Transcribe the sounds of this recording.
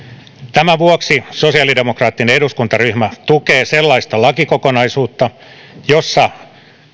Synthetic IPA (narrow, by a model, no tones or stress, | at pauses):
t̪æmæʋuoksisosiɑlide̞mokrɑːt̪ːineduskunt̪ɑryhmæt̪ukeːselːɑist̪ɑlɑkikokonɑisuːt̪ːɑ | josːɑ